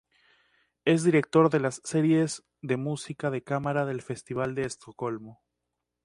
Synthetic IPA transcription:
e̞zðiɾe̞k̚t̪o̞ɾðe̞lasːe̞ɾje̞z | ðe̞musikaðe̞kamaɾaðe̞lfe̞st̪iβ̞ald̪eːst̪o̞ko̞lmo

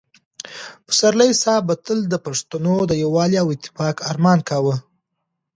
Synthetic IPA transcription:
pə̥saɾləjsɑbat̪əld̪əpaʂt̪anod̪əjawɑliawɪt̪ːɪ̥fɑkaɾmɑnkawə

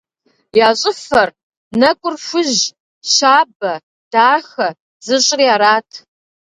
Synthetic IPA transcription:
jaːɕʼɪfɐr | nɐkʷʼʊrfʷʊʑ | ɕaːbɐ | d̥aːxɐ | z̥ɨɕʼɪriaːɾaːtʰ

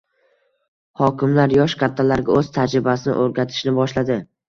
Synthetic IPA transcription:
hɒkʲʰɪmlaɾjɒʃkʲʰat̪ʰːalaɾɡʲaɵz̥t̪ʰad͡ʒɾɪbasɪnɪ̰ʔoɾɡʲat̪ʰɪ̥ʃnɪbɒʃlad̪ɪ

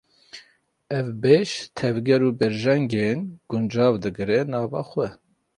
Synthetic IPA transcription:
ɛvbeʃt̪ʰɛvɡɛɾuːbɛɾʒɛŋɡenɡ̥ʊnd͡ʒɑːvd̪ɨɡɨɾɛnɑːvɑ̰ːxʷwɛ

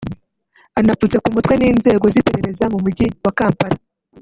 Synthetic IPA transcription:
anafut͡se̞kumutkweniːnze̞ːɡo̞zipe̞ɾe̞ɾe̞zaŋumuɟiwakaːmpaɾa

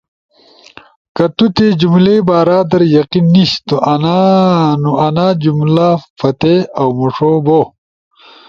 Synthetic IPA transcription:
kɐt̪ut̪ed͡ʑumlebaːɾaːd̪ɐɾjɐqinːiɕt̪oʔɐnanuɐnad͡ʑumlafɐt̪eɐwmuʂobo

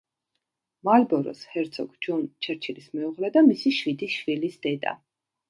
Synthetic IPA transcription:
malbɔɾɔ̰shɛɾt̪sʰɔɡd͡ʒɔnt͡ʃʰɛɾt͡ʃʰilismɛuʁlɛd̪amisiʃwid̪iʃwilisd̪̥ɛd̪a̰

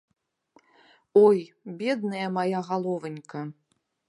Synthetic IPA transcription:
ojbʲed̪nɨjɐmajaɣalˠovənʲkʰɐ

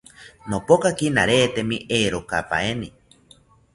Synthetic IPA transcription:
nopokakinaɾeːt̪emiʔeːɾokapa̰eni

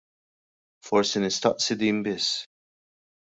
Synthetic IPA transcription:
fɔɾsɪnɪst̪ɐ̰ʔsɪd̪iːmbɪs

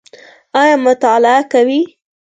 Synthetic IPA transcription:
ɑjɑmʊt̪ɑlɪakawi

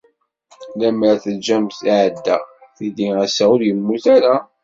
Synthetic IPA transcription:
læmɾæθəld͡ʒæmθiʕəd̪ːæθid̪iæsæʊɾjəmːuθæɾa

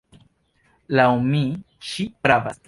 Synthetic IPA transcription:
lawmi | t͡ʃipɾaba̰s

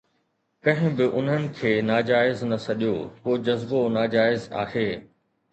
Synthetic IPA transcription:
kɐ̃ɦɪ̃bɪʔʊn̤ɦənɪ̆kʰeːnaːd͡ʑaːɪznɐsɐɗijokoːd͡ʑɐzbonaːd͡ʑaːɪza̰ːheː

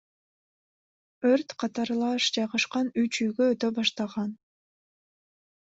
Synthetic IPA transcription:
øɾt̪qʰɑt̪ɑɾlˠɑʃd͡ʒɑjʁɑʃqɑnyt͡ʃyjɡøːt̪øbɑʃt̪ɑʁɑn

